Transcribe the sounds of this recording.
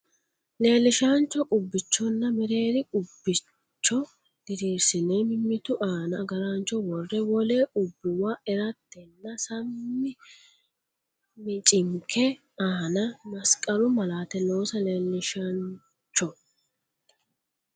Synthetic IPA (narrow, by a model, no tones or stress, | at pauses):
le̞ːlːɪʃaːnt͡ʃːɔʔʊbːɪt͡ʃːɔnːɐmɛɾe̞ːd̪ɪʔʊbːɪ | t͡ʃːɔ | d̪̥ɪɾiːɾsɪneːmɪmːɪt̪ʊʔaːnɐɡɐɾaːnt͡ʃːɔwɔrːɛwɔle̞ːʔʊbːɪwaːɛɾɐt̪ːɛnːɐsɐmːɪ | mɪt͡ʃʼɪŋkʰɛ | aːnɐmɐskʼɐlʊmɐlaːt̪ɛno̞ːsɐleːlːɪʃan | t͡ʃːɔ